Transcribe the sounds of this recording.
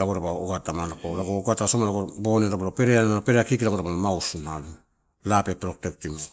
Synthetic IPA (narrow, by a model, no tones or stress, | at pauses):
ɾaɡoɾabaoɡatamanakoɾaɡoɡatasomaɾaɡoboneɾabalopeɾeanaopeɾeakikiɾaɡoɾabalomawsunalu | lapepɾoktektimo